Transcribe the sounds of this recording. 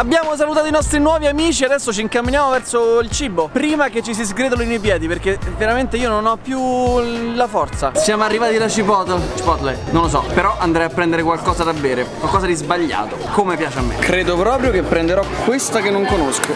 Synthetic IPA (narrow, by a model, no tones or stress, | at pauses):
abːjaːmos̬alut̪aːt̪oinɔst̪ɾinwɔːviamiːt͡ʃiead̪ɛsːot͡ʃiːŋkamːinjaːmovɛrsoilt͡ʃiːbopɾiːmaket͡ʃːis̬izɡɾed̪onoinuip̬jɛːd̪iperkeveɾament̪eiːononɔpːju | lafɔrt̪sasjaːmoarːivaːt̪ilat͡ʃipɔt̪t͡ʃipɔt̪lajnonlːos̬ɔ̰peɾɔʔand̪ɾajapːɾɛnd̪eɾekwalkɔːzad̪abːeːɾekwalkɔːzad̪izbaʎːa̰ːt̪okomepjaːt͡ʃeamːḛkɾeːd̪opɾɔːpɾjokepːɾend̪eɾɔkwest̪akenːoŋkonosko